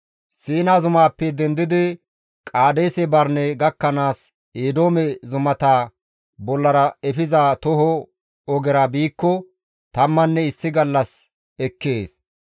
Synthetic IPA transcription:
siːnazʊmaːpːɛd̪ɛnd̪ɪd̪ɪ | kʼaːd̪eːsɛbɐɾnɛɡɐkːɐnaːs | eːd̪oːmɛzʊmɐt̪aː | bɔlːɐɾɐɛfɪzat̪ɔhɔ | ɔɡɛɾabiːkːɔ | t̪ɐmːɐnːɛɪsːɪɡɐlːɐs | ɛkːeːs

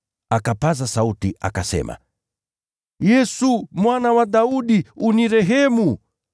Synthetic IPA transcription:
akapazasautiʔa̰kasɛ̰ma̰ | jɛsumwanawaɗauɗiuniɾɛɦɛmu

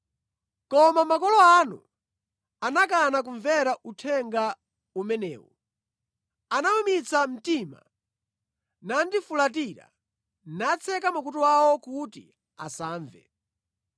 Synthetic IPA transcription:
kɔmamakɔlɔanṵ | anakanak̬uɱvɛɾaʔutʰɛŋɡa | umɛnɛ̰ːwɔ | anamumit͡sʰam̩tima̰ | nandifulatiɾa̰ | nat͡sʰɛkamuk̬ut̬uwawɔkutḭ | a̰saːɱvɛ̰

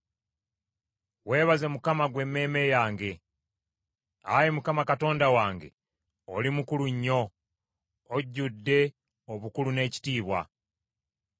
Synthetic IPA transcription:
we̞ːβaze̞mukamaɡwe̞mːe̞ːme̞jaːŋɡe̞ | a̰jemukamakato̞ːndawaːŋɡe̞̰ | olimukuluɲːo̞ | ɟːudːe̞ | oβukulune̞ːci̥tiːβwa̰

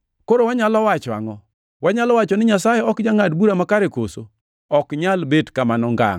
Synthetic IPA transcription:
koɾowaɲalɔwat͡ʃɔa̰ŋɔ | waɲalɔwat͡ʃɔnɪɲasajɛɔkd͡ʒaŋadbuɾamakaɾekoso | ɔkɲalbedkamanɔŋɡa̰ŋ

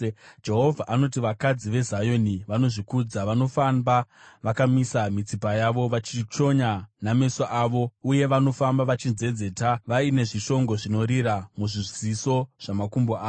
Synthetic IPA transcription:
d͡ʒe̞ɦo̞vʱaʔano̞t̬iʋakad͡ziʋe̞zajo̞niʋano̞ʐikud͡zaʋano̞famba | ʋakamisamit͡sipajaʋo̞ʋat͡ʃit͡ʃo̞ɲaname̞saʔaːʋo̞uje̞ʋano̞fambaʋat͡ʃinze̞d͡ze̞ːtaʋaine̞ʐiʃo̞ŋɡo̞ʐino̞ɾiɾamuʐiʐziso̞ʐ̥amakumboaː

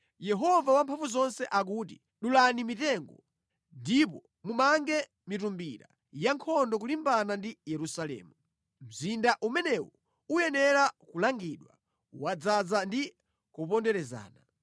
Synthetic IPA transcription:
jɛɦɔvawampʰaɱvuzɔnsɛʔak̬uːtḭ | ɗulanimitɛŋɡɔ | ndip̬ɔ | mumaŋɡɛ | mitumbiɾa̰ | jaŋkʰɔndɔk̬ulimbanandijɛɾusalɛ̰ːmu | m̩zindaʔumɛnɛwɔ | ujɛnɛɾakulaŋɡiɗwa | wad͡zad͡zandi | kupɔndɛɾɛza̰ːna

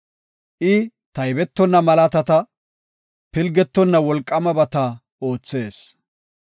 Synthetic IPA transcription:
ʔɪ | t̪ɐjbɛt̪ːɔnːɐmɐlɐt̪ɐt̪ɐ | pɪlɡɛt̪ːɔnːɐwɔlkʼːɐmɐbɐt̪ɐ | o̞ːt͡sːe̞ːs

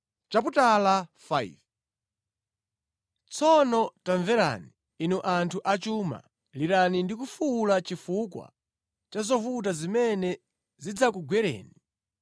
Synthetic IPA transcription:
t͡ʃap̬utalafaḭv | t͡sʰɔnɔtaɱvɛɾa̰niː | nuʔantʰuʔat͡ʃuma̰ | liɾanindikufuːlat͡ʃifukwa̰ | t͡ʃazɔvut̬azimɛnɛ | zid͡zak̬uɡwɛɾɛ̰ːni

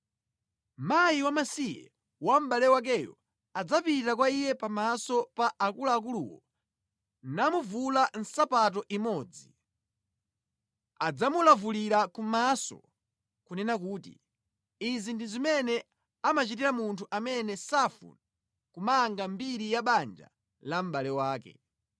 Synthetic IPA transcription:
majiwamasijɛ̰ | wam̩ɓalɛwak̬ɛjɔ̰ | ad͡zapitakwaijɛpamasɔpaʔakulaːk̬ulṵwɔ̰ | namuvulan̩sapat̬ɔʔimɔːd͡zi | ad͡zamulavuliɾakumasɔ̰ | kunɛnakuːtḭ | izindizimɛnɛ | amat͡ʃitiɾamuntʰuʔamɛnɛsafṵna | kumaːŋɡambiɾijaɓand͡ʒa̰ | lam̩ɓalɛwaːkɛ̰

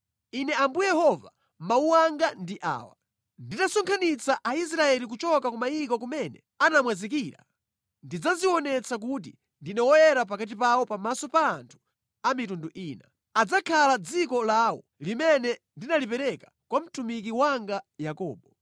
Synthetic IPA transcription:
inɛambujɛhɔva | mauwaŋɡandiʔa̰ːwa̰ | nditasɔŋkʰanit͡saʔais̬ɾaɛlik̬ut͡ʃɔkakumajikɔkumɛnɛ̰ | anamwazikiːɾa̰ | ndid͡zaziwɔnɛt͡sak̬ut̬ḭ | ndinɛwɔjɛɾap̬akat̬ipawɔpamasɔpaːntʰu̥ | amitunduʔiːna | ad͡zakʰalad͡zikɔlaːwɔ̰ | limɛnɛ | ndinalipɛɾɛkḁ | kwam̩tumik̬iwaŋɡajakɔ̰ːɓɔ

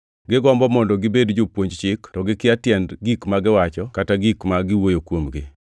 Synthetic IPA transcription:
ɡɪɡɔmbɔmɔndɔɡɪbedd͡ʒʊpwoɲd͡ʒt͡ʃɪktɔɡɪkɪatjɛndɡikmaɡɪwat͡ʃɔkataɡikmaɡɪwojokwomɡɪ

